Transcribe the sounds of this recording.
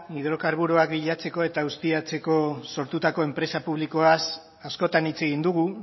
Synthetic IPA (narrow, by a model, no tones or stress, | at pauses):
iðɾo̞kaɾβuɾuakbiʎat͡se̞ko̞e̞t̪aust̪iat͡se̞ko̞so̞ɾt̪ut̪ako̞e̞mpɾe̞sapuβliko̞as | asko̞t̪anit͡se̞ɣind̪uɣu